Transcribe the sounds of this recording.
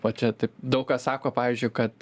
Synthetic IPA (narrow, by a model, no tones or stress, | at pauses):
ʋɐt͡ʃʲɛt̪ɐɪpd̪ɐʊkkɐssɑːkoːpɑːʋʲiːzʲd͡ʒʲʊɪkɐt̪